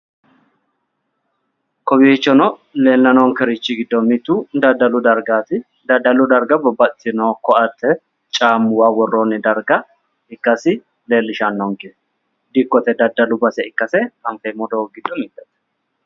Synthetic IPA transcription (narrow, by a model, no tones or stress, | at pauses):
kɔbiːt͡ʃːɔnɔle̞ːlːɐnoːŋkɛɾɪt͡ʃːɪɡɪd̪ːɔmɪt̪ːud̪ɐd̪ːɐlʊd̪ɐɾɡaːt̪ɪ | d̪ɐd̪ːɐlʊd̪ɐɾɡɐbɔbɐsɪnoːkɔʔɐt̪ʰːɛ | t͡ʃʼaːmʊwawɔrːoːnːɪd̪ɐɾɡɐ | ɪkːɐsɪ | le̞ːlːɪʃanːɔŋkɪd̪ | d̪ikːɔt̪ɛd̪ɐd̪ːɐlʊbɐsɛɪkːɐsɛkɐmfɛːmɔd̪oːɡɪd̪ːʊmɪt̪ːɐt̪